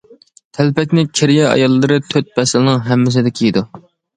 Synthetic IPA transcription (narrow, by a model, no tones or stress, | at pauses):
t̪ʰælpɛkʲnɪkʲʰiɾijɛɑ̰jɑlˠːɨɾɨt̪ʰøt̪̚bɛsɪlɪnɨŋɦɛmːɪs̬ɪd̪ɪkʲʰiid̪u